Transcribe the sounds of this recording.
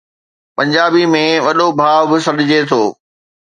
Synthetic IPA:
pɐ̃ɲd͡ʑaːbimẽʋɐɗobʱaːʋbɪsɐɗɪd͡ʑet̪ʰoː

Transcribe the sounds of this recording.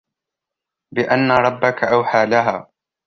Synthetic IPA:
bɪʔanːaɾˤɑbːakʰaʔawħaːlaɦaː

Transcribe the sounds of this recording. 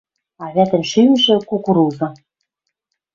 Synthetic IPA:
ɑβæt̪ɘ̆nʃymʒɘ̆kukuɾuzɤ̆

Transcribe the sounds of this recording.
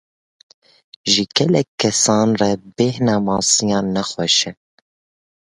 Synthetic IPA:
ʒiɡɛlɛkʰːɛsɑːnrɛbeːhnɑːmɑːsijɑːnːɛxwɛʃɛ

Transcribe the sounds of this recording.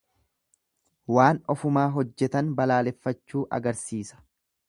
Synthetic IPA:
waːnɔfʊmaːɦɔd͡ʒːɛt̪ɐnbɐlaːlɛfːɐt͡ʃːuːʔɐ̰ɡɐɾsiːsɐ̥

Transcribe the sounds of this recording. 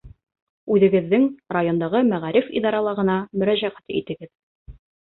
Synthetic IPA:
ʉðɘ̆ɡɘ̆ðːɘŋrajo̞nd̪ɑʁɤmæʁæɾifḭd̪ɑɾɑlˠɑʁɤ̆nɑmɵ̆ɾæʑæʁæt̪ḭt̪ɘ̆ɡɘð

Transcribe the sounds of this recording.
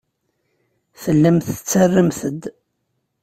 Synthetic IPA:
θəlːəmθt͡sːərːəmθəd̪

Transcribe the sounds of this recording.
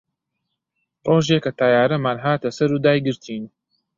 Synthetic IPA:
roːʒeːkɐt̪ʰaːjaːɾɐmaːnɦaːt̪ɐsɐɾuːd̪aːjɡɨɾt̪ʰiːn

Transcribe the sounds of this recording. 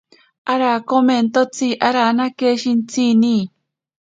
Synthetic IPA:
aɾakoment̪ot͡siʔaɾanakeʃint͡sʰini

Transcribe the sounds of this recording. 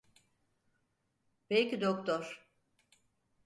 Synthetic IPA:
belcid̪okt̪ʰoɾ̥

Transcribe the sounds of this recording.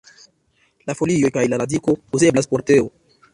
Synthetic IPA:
lafo̞lijo̞jkajlaɾadiko̞uze̞blaspo̞ɾte̞o̰

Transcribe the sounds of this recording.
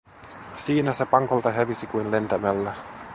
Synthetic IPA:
siːnæse̞pɑŋkolt̪ɑɦeʋisikujnle̞nt̪æmælːæ

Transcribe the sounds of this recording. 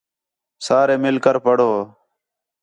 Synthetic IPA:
saːɾeːmɪlkəɾpəɽoː

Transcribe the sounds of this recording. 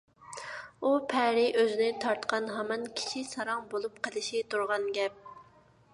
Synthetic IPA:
upʰɛɾɪʔøzɪnɪt̪ʰɑɾt̪qɑnɦɑmɑnkʲʰi̥t͡ʃʰisɑɾɑŋbolˠupqʰəlˠɪʃit̪ʰuɾʁɑnɡʲɛp̚

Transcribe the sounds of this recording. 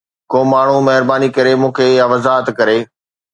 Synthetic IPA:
koːmaːɳ̤̃umɐɦɪɾbaːnikɐɾemũːkʰeaʋɐzaːɦət̪kɐɾeː

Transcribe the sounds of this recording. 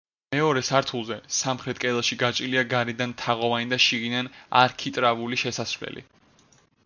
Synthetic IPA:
mɛɔɾɛsaɾt̪ʰulˠzɛsamχɾɛt̪ʼkʼɛlˠaʃiɡat͡ʃʼiliaɡaɾid̪ant̪ʰaʁɔvanid̪aʃiɡinana̰ɾkʰit̪ʼɾavuliʃɛsasɾvwlɛ̰lḭ

